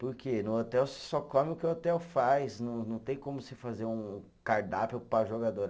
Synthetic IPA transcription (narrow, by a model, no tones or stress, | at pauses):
poɾkenʊot̪ɛwsɪ̥sɔkõmɪʊkɪʊot̪ɛwfajsnɐ̃w̃nɐ̃w̃t̪ẽj̃kõmʊsɪfazeɾũ | kaɾd̪apewpɾaʒoɡad̪oɾ